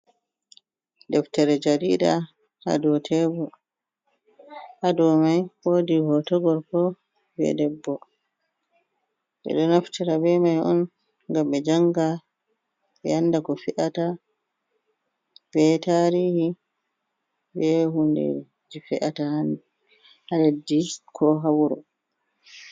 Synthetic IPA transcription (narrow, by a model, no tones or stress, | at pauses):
dɛftɛɾɛd͡ʒaɾiːda̰ | ha̰dɔtʰɛbɔ | hadɔmajwoːdihɔtɔɡɔɾkɔ | bɛ̰dɛbːɔ | ɓɛ̰ɗɔnaftiɾabɛmajʔɔ̰n | ŋɡambɛd͡ʒaŋɡa | ɓɛjanːdakɔfiʔata | b̥ɛtaɾiːhi | bɛɦundḛɾɛ | d͡ʒifɛʔatahan | haledːikʰɔɦawuɾɔ̰